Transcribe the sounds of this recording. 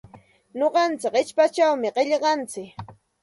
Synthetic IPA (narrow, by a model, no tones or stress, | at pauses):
ɲoɢɑnt͡sɪkɪt͡ʃpat͡ʃawmɪɢeʎɢɑnt͡sɪk